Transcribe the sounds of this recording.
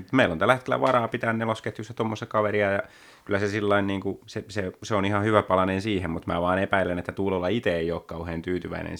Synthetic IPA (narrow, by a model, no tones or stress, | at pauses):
t̪meilont̪ælːæhet̪kelːæ̰ʋɑɾɑːpit̪æːnnelosket̪ːysːæt̪omːost̪ɑkɑʋeɾiɑjɑ | kylːˑæsesilːɑinniːŋkuseseseonihɑhyʋæpɑlɑnensiːhemmut̪mæ̰ːʋɑːnepæilenet̪ːæt̪uːlolːɑit̪eeioːkkɑuheːnt̪yːt̪yʋæ̰inḛn